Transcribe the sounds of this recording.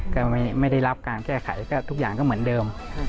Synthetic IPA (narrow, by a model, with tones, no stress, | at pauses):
kɔː˥˩ma˥˩jma˥˩jda˥˩jla˦˥p̚kaː˧nkɛː˥˩kʰa̰˩˦jkɔː˥˩t̪ʰu˦˥k̚jaː˨˩ŋkɔː˥˩mɯ˩˦əndɤː˧m